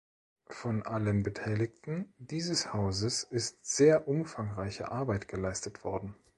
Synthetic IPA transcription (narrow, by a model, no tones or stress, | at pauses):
fɔnʔalənbətʰaɪlɪktn̩d̥iːzəshaʊzəsɪstz̥eːɐʔʊmfaŋʁaɪçə̰ʔaɐbaɪtɡ̥əlaɪstətv̥ɔɐdn̩